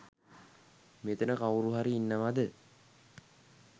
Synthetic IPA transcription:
met̪ənəkawɾuɦaɾiːnːəʋad̪ə

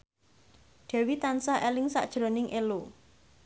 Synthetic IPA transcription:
ɖ̥ɛ̤wit̪ansahɛlɪŋsa̰ʔd̥ʒ̥ɾo̤nɪŋʔelo

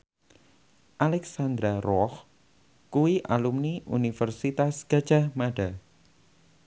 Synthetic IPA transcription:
ʔalɛksand̪ɾaɾɔh | kuwiʔalumniʔunifərsit̪asɡ̥ḁd͡ʒ̥ahmaɖa

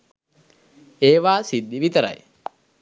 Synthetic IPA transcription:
eːʋaːsid̪ːiʋit̪əɾa̰j

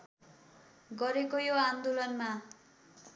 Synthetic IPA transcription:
ɡʌɾekojoand̪olʌnma

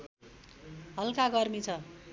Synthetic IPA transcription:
ɦʌlkaɡʌrmit͡sʰʌ

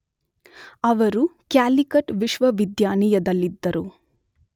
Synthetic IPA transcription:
ɐʋɐɾukjaːlikɐʈʋiʃʋɐʋid̪jaːnijɐd̪ɐlːid̪ːɐɾu

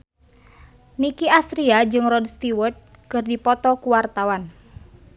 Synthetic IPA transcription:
nikiast̪ɾiad͡ʒɨŋrɔdst̪iwɔrt̪̚ | kɨrdipɔt̪ɔkuwart̪awan

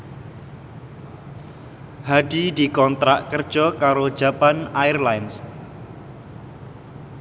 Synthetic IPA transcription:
haɖ̥idikɔnt̪ɾaʔkərd̥ʒ̥ɔkaɾod̥d͡ʒʒ̥a̤panairlajns

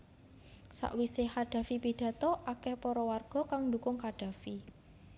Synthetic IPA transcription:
sa̰ʔwisehaɖ̥ä̤fipiɖ̥ä̤t̪ɔʔakɛhpɔɾɔwarɡ̥ɔ̤kaŋnd̪ukʊŋkaɖ̥ä̤fi

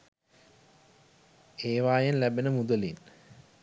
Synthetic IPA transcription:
eːʋaːjenlæbenəmud̪əlin

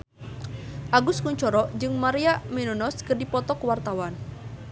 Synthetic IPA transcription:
ʔaɡuskuɲt͡ʃɔɾɔʔd͡ʒɨŋmaɾiaminunɔskɨrdipɔt̪ɔkuwart̪awan

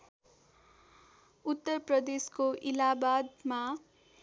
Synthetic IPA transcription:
ut̪ːʌrprʌd̪eskoʔilabad̪ma

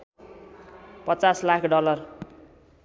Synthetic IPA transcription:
pʌt͡saslakʰɖʌlʌr

